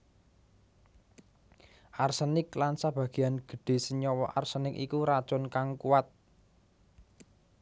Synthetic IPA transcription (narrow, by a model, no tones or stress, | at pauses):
ʔarsənɪklansab̥ä̤ɡ̥i̤janɡ̥ə̤ɖ̥e̤səɲɔwɔʔarsənɪkḭkuɾad̥ʒ̥ɔ̤nkaŋkuwat̪̚